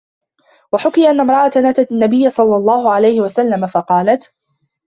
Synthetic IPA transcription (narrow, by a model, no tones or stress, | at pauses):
waħʊkɪjaʔanːamɾˤɑʔat̪anaːt̪at̪anːabɪjːasˤɑlːɑlˤːɑːhʊʕalajhɪwasalːamafɑqɑːlat̪